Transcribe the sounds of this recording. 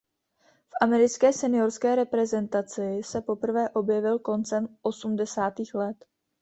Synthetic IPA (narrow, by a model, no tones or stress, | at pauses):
fʔamɛɾɪt͡skɛːsɛnɪo̞ɾskɛːɾɛpɾɛzɛnt̪at͡sɪsɛpo̞pr̩vɛːʔo̞bjɛvɪlko̞nt͡sɛmʔo̞sumdɛsaːt̪iːxlɛt̪